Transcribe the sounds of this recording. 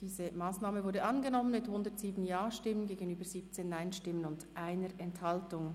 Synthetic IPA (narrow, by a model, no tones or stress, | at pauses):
d̥iːzəmaːsnaːməvʊɐdəʔɑnɡənɔmənmɪthʊndətz̥iːbən̩jaːʃtɪmənɡeːɡənyːbəziːp̚t͡seːnːaɪnʃtɪmənʊndʔaɪnəʔɛnthɑltʊŋ